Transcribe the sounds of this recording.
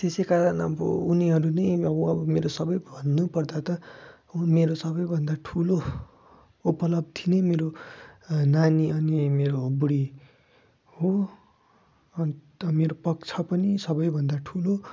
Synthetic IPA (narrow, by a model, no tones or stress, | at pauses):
t̪esejkaɾʌnʌ̰bʌ̰uniɦʌɾunʌjʌbʌʌbʌmeɾosʌbʌjbʱʌnːupʌrd̪at̪ʌ | meɾosʌbʌjbʱʌnd̪aʈʰulo | upʌlʌb̚t̪ʰinemeɾo | naniʌnimeɾoɦobuɽi | ho | ʌnt̪ʌmeɾopʌk̚t͡sʰʌpʌnisʌbʌjbʱʌnd̪aʈʰulo